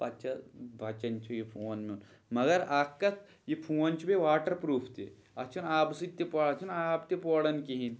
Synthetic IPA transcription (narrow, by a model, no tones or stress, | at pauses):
pɐt͡ʃʰɐbʱɐt͡ʃɐnt͡ʃʰujipʰoːnmeun | mɐɡɐɾaːkːɐt̪ʰ | jipʰoːnt͡ʃʰubeʋaːʈɐɾpɾuːpʰt̪ḛ | ɐt͡ʃʰunaːbsit̪epɔɽɐt͡ʃʰunaːb̚t̪epoːɽɐnkiɦin